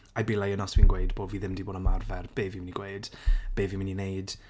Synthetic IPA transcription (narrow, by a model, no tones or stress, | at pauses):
ajbɪlajənɔswiːnɡweɨdb̥oːdviːðɪmdiboːdəmarvɛrb̥eːviːmɪniɡ̥weɨd̥b̥eːviːmɪninejd̥